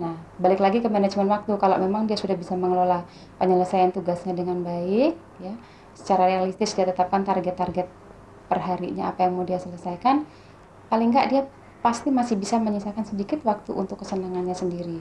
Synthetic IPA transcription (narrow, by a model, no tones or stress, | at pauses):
nahbalɪklaɡikəmanad͡ʒmɛnwak̚t̪ukalo̰ʔmemaŋdiasudahbisaməŋəlola | pəɲələsajant̪uɡasɲadəŋanbaɪk̚ja | sə̥t͡ʃaɾarealist̪ɪsdiat̪ət̪ap̚kant̪arɡɛt̪ːarɡɛt̪̚ | pərɦaɾḭɲaːpajaŋmodiahsələsajkan | palɪŋɡaʔdia | past̪imasɪhbisaməɲisakansədikɪt̪wak̚t̪uʔṵnt̪ʊkːəsənaŋanɲasəndiɾi